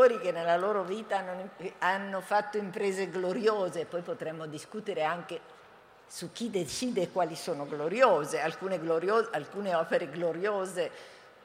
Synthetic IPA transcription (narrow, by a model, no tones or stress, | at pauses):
oɾik̟enːelːaloːɾoviːt̪aanːoanːofat̪ːoimpɾeːzeɡloɾjoːzeːpːɔjpot̪ɾɛmːod̪iskuːt̪eɾeaŋke | suk̟ːid̪et͡ʃiːd̪eːkwaːlisoːnoɡloɾjoːzealkuːneɡloɾjoːalkuːneɔːpeɾeɡloɾjoːze